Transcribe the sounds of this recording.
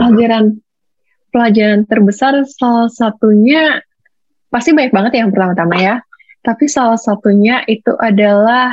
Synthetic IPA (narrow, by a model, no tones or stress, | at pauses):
plad͡ʒaɾan | pəlad͡ʒaɾant̪ərbəsarsalahsat̪uɲa | past̪ibaɲak̚baŋət̪jaŋpərt̪amat̪amaja | t̪apisalahsat̪uɲaʔit̪uʔadala